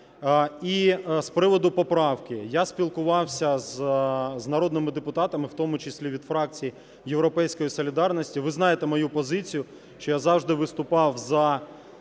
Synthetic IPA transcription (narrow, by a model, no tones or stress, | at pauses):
ispɾɪʋɔd̪ʊpɔpɾɑwkɪjasʲpʲilˠkʊʋɑwsʲɐzznɐɾɔd̪nɪmɪd̪epʊt̪ɑt̪ɐmɪwt̪ɔmʊt͡ʃɪsʲlʲiʋʲid̪fɾɑk̚t͡sʲiji | jewɾɔpɛjsʲkɔjisɔlʲid̪ɑrnɔsʲtʲiʋɪznɑjet̪ɛmɔjupɔzɪt͡sʲijʊ | ʃt͡ʃɔjazɑwʒd̪ɪʋɪst̪ʊpɑwzɐ